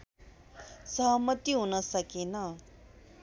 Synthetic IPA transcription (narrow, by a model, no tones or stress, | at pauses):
sʌɦʌmʌt̪iɦunʌsʌkenʌ